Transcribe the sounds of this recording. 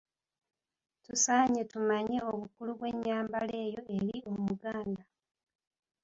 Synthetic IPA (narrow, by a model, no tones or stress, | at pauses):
tusaːɲe̞tumaɲeo̞βukuluβwe̞ɲːaːmbale̞ːjo̞eɾiomumuɡaːnda